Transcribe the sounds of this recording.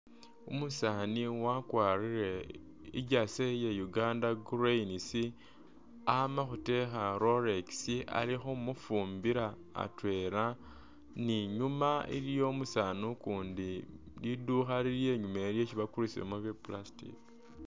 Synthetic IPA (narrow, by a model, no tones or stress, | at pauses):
umusaːniwakwaːɾiɾe̞ | iɟasejejuɡaːndaɡuɾeinisi | amaxute̞xaɾo̞ɾeksiʔa̰lixomufuːmbiɾa̰ː | twe̞ɾa | niɲumaḭɾijo̞musaːnukuːndi | liduxaliɾje̞ːɲumeɾje̞ciβakuɾisḭḛmuβjiplastḭk